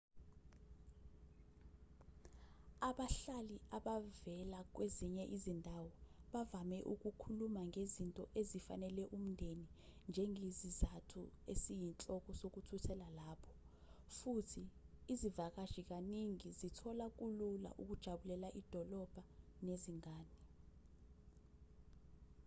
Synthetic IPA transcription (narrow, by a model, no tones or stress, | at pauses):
aɓaɬaliaɓavɛlak̬weziɲɛʔizindʱawɔɓavamɛʔuk̬ukʰulumaŋezintʼɔʔezifa̰nɛlɛʔum̩ndʱenind͡ʒʱɛŋezizatʰuesijint͡ɬʼɔk̬ʼɔsok̬utʰutʰɛlalaːpʰɔ̥ | futʰiːzivak̬aʒ̥ik̬aniŋizitʰɔlak̬ʼulula̰ʔuk̬ud̥ʒ̥ʱaɓulɛlaʔid̥ʱɔlɔb̥ʱa | neziŋaːni